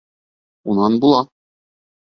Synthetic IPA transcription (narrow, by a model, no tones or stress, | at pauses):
unɑnbulˠɑ